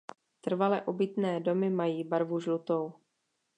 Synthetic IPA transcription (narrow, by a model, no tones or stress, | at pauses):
t̪r̩valɛʔobɪt̪nɛːdo̞mɪmajiːbaɾvuʒlut̪ow